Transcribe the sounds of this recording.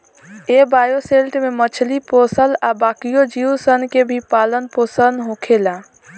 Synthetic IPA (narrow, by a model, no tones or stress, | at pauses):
ebajoselʈmemət͡ʃʰliposəlabakijod͡ʒiusənkebʱipalənposənɦokʰela